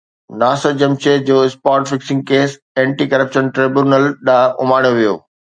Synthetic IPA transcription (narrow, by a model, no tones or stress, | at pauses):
naːsəɾd͡ʑɐmt͡ɕed͡ʑoːɪspaːɾʈfɪksɪ̃ŋɡ̚keːs | ɛ̃ːɳʈiːkɐɾəpʃənʈɾeːbjuːnəlɗaːʔʊmaːɽ̃joʋijo̰ː